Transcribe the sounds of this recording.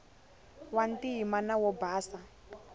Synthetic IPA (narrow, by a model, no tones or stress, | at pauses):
wantiɦimanawɔbaːsa